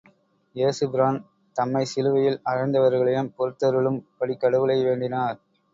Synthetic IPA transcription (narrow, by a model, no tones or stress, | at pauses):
jeːsɯbɪɾaːn | t̪ɐmːɐɪsɪlɯʋɐjɪlɐɾɐɪnd̪ɐʋɐɾɣɐɭɐjɯmpɔɾɯt̪ːɐɾɯɭɯmpɐɽɪkːɐɽɯʋɐlɐɪʋeːɳɖɪnaːɾ